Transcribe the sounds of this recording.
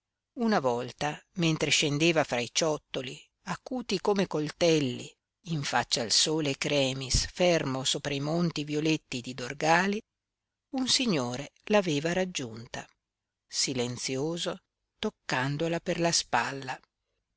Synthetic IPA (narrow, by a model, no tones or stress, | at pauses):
unavɔlt̪ament̪ɾeʃend̪eːvafɾait͡ʃɔt̪ːoli | akuːt̪ikomekolt̪ɛlːiː | ɱfat͡ʃːaːlsoːlekɾɛːmisfɛrmosoːpɾaimont̪ivjolet̪ːid̪id̪orɡaːli | unsiɲːoːɾelaveːvaɾad͡ʒːunt̪a | silent̪sjoːzo | t̪okːand̪olaperlaspalːa